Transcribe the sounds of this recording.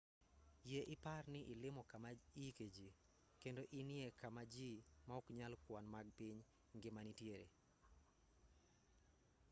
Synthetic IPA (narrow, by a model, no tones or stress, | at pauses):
jeʔɪparnɪʔɪlɪmɔkamaiked͡ʒi | kendoʔinɪekamad͡ʒimaɔkɲalkwanmaɡ̚pɪɲ | ŋɡɪmanitjeɾḛ